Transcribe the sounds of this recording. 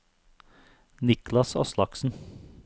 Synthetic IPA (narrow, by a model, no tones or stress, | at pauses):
nɪklɑsɔ̰slɑksn̩